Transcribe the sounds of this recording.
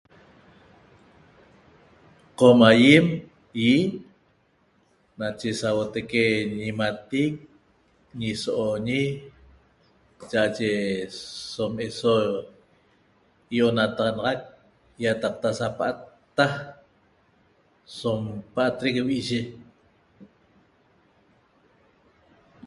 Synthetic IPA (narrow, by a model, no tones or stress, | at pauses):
qomajem | ji | nat͡ʃesawot̪ekeɲimat̪iːk̚ | ɲisoʔoɲi | t͡ʃaʔat͡ʃe | someso | joʔonat̪ɑʁɑnɑʁɑk̚ | jat̪aq̚t̪asapaʔat̪ːa | sompaʔat̪ɾikwiʔʒe